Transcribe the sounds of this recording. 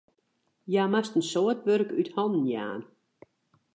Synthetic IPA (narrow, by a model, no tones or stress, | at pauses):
jaːmastn̩sɔətʋørkythɔnn̩ja̰ːn